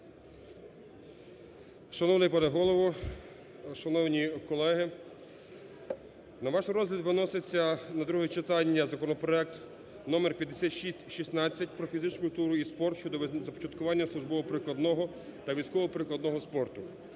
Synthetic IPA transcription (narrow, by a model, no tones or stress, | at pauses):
ʃɐnɔwnɪjpɐd̪ɐɦɔlˠɔʋɔ | ʃɐnɔwnʲikɔlˠɛɦɪ | nɐʋɑʃrɔzɦlʲɐd̪ʋɪnɔset͡sʲːɐnɐd̪ɾuɦɛt͡ʃet̪ɑnʲːɐzɐkɔnɔpɾɔɛk̚t̪ | nɔmerpʲjɐd̪ːesʲat̪ʃisʲtʲʃisnɑt͡sʲːɐtʲpɾɔfʲizɪt͡ʃnʊkʊlʲt̪uɾʊispɔrt̪ʃt͡ʃɔd̪ɔzɐpɔ̥t͡ʃɐt̪kʊʋɑnʲːɐslˠʊʒbɔʋɔpɾɪklˠɐd̪nɔɦɔ | t̪ɐʋʲijsʲkɔʋɔpɾɪklˠɐd̪nɔɦɔspɔrt̪ʊ